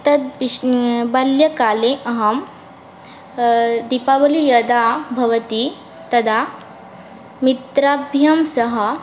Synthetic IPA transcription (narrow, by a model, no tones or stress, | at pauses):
t̪ɐd̪̚bibɐljɐkaleʔɐɦɐm | d̪ipabɐlijɐd̪abʱɐʋɐt̪i | t̪ɐd̪a | mit̪ɾabʱjɐmsɐɦɐ